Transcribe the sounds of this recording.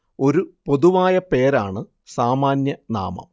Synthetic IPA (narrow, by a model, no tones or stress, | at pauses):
o̞ɾupo̞ðuʋaːjɐpe̞ːɾaːɳɨ | saːmaːnjɐna̰ːmɐ̰m